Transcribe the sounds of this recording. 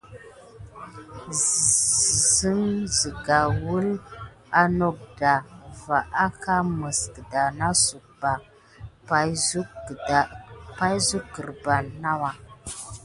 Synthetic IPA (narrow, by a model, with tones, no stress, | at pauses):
zə˦ŋzi˨ɡa˨wu˦l | a˦no˨k̚da˨va˨ʔa˦ka˦mə˨skə˨da˨na˦su˨k̚ba˨ | pa˨u˦˨a˨pa˦jzu˦kɡə˨ɾba˨nna˦wa˨